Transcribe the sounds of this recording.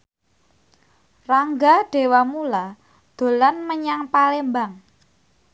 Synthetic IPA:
raŋɡaɖ̥e̤wamula | d̪̥o̤lanməɲaŋpalembaŋ

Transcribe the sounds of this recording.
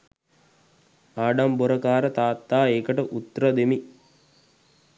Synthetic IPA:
aːɖamboɾəkaːɾət̪aːt̪ːaːeːkəʈəʔut̪ːɾəd̪emi

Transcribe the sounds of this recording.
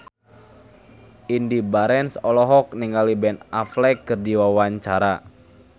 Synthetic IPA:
indibaɾɛnsɔlɔɦɔk̚niŋɡalibɛnaflɛkːɨrdiwawaɲt͡ʃaɾa

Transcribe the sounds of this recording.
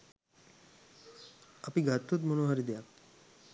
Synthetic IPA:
apiɡʱat̪ːut̪monoɦaɾid̪eja

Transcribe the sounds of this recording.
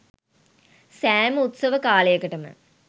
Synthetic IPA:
sæːmut̪səʋəkaːlejəkəʈəmə̰

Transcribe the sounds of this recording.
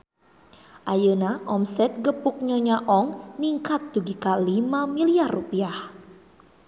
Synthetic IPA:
ʔajənaʔɔmsɛt̪̚ɡəpʊk̚ɲɔɲaʔɔŋniŋkat̪̚d̪uɡikalimamiliarːupiah

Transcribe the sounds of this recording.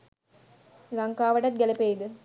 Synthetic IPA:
lɐŋkaːʋɐʈɐt̪̚ɡɛlɐpeːd̪ɨ

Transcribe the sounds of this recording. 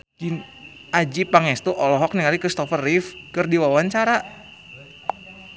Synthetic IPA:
in | ad͡ʒipaŋɛst̪uʔɔlɔɦɔk̚niŋaɾikɾist̪ɔfərifkɨrdiwawaɲt͡ʃaɾa

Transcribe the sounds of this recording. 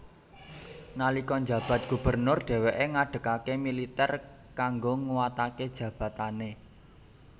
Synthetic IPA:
nalikɔnd͡ʒa̤b̥a̤t̪̚ɡ̥ub̥ərnʊrɖ̥ɛ̤weʔeŋaɖ̥ə̤kakemilit̪ɛr | kaŋɡoŋuwat̪aked̥ʒ̥ä̤b̥ä̤t̪ane

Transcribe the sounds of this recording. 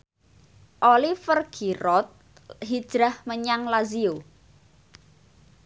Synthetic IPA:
ʔolifərɡ̥ʰiɾɔt̪̚ | ɦid̥ʒ̥ɾahməɲaŋlazio

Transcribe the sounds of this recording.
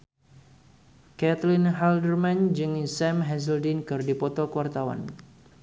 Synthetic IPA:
kɛt̪linɦaldərmand͡ʒɨŋisɛmɦɛs̬əldinkɨrdipɔt̪ɔkəwart̪awa̰n

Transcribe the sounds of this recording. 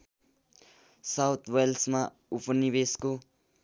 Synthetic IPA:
sawt̪ʰwelsmã | upənibesko

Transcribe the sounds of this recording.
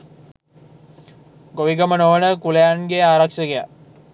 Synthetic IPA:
ɡoʋiɡəmənoʋənəkulejanɡeaːɾakʃəɡeja

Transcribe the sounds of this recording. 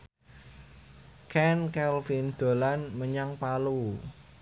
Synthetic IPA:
kʰɛnkɛlfind̪̥o̤lanməɲaŋpalu

